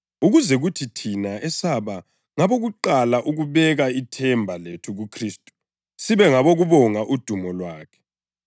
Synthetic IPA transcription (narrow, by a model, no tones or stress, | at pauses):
uɣuzɛɣutʰitʰinaɛsaβa | ŋaβoɣuǃalaʔuɣuβɛɣaitʰɛmbʱaletʰuɣukʰriːstʼu̥ | siβɛŋaβoɣuβɔŋaʔud̥ʱumɔlwaːkʰɛ̥